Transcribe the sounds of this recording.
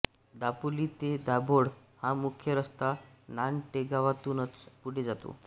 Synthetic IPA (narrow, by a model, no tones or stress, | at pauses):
d̪apuliːt̪ed̪aboɽ | hãmukʰjəɾəst̪ananʈeɡaʋat̪uːnət͡spuɽ̤ed͡zat̪o̰